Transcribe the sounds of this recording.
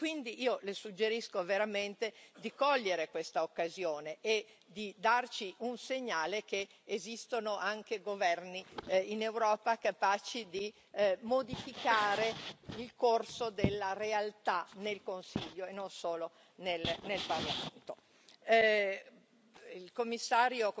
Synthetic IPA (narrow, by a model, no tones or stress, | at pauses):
kwind̪iʔiːolesud͡ʒːeɾiskoveɾament̪ed̪ikɔʎːeɾekwest̪aokːazjoːneʔe | d̪id̪art͡ʃiʔunseɲːaːlek̟e | ezist̪onoʔaŋkeɡovɛrniinewɾɔːpakapaːt͡ʃid̪i | mod̪ifikaːɾeilkorsod̪elːarealt̪anelkonsiʎːoenonsoːlo | nelnelparlament̪o | ilkomːisːaːɾjo